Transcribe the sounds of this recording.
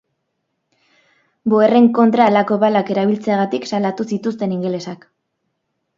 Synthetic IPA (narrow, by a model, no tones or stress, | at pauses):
boere̞ŋko̞nt̪ɾalako̞βalake̞ɾaβ̞ilt͡se̞aɣat̪iksalat̪usit̪ust̪e̞niŋɡe̞le̞sak